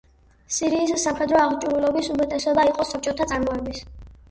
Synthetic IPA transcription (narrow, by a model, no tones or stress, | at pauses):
siɾiːsːamχɛd̪ɾɔaʁt͡ʃʼuɾulɔbisumɛt̪ʼɛsɔbaiqʼɔsap̚t͡ʃʼɔt̪ʰat̪sʼaɾmɔɛbis